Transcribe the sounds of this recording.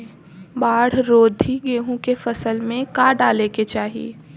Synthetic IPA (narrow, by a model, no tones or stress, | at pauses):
baːɽ̤ɾoːd̪ʱiɡeːɦũkefɐsəlmẽkaːɖaːleket͡ʃaːɦiḛː